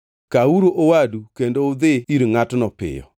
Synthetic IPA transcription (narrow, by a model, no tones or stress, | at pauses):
kauɾoʔowadukendoʊd̪ɪiɾŋatnɔpɪ̰jɔ̰